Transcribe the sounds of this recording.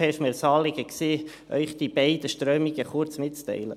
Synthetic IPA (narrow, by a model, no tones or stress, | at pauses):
ɛʃmeɾsɑːlɪɡəkseː | ʔœ̰ʏχd̥̪ib̥ɛɪd̥̪əʃtɾœːmiɡəχʊɾt͡smɪtt͡st̪ɛ̰ɪlə̰